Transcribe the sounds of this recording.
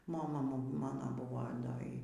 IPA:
moːˈmɐ ˈmɑːnoː ˈbʊʋoː ˈdɐ ˈiː

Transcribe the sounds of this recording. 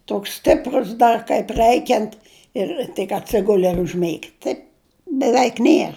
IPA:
ˈtoːks ˈsʲtʲɪprʊs ˈdɐr kɐɪp ˈrɜɪkʲɛnt ɪr tʲɪk ɐtʲˈsʲɪɡʊlʲɪ ɪr ʊʒʲˈmʲeːɡʲɪ ˈtɐɪp bʲɛˈʋʲɛɪk ˈnʲiɛr

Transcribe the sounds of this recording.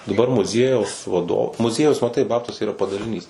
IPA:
dɐˈbɐr mʊˈzʲiɛjɛʊs ʋɐˈdoː mʊˈzʲiɛjɛʊs mɐˈtɐɪ ˈbɑːptuɔsʲɛ iːˈrɐ pɐdɐlʲɪˈnʲiːs

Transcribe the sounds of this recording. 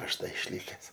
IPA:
ˈɐʃ ˈdɐ ɪʃʲˈlʲɪkʲɛs

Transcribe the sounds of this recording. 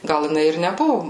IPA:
ˈɡɐlˠ jɪˈnɐɪ ɪr nʲɛˈbʊʋʊ

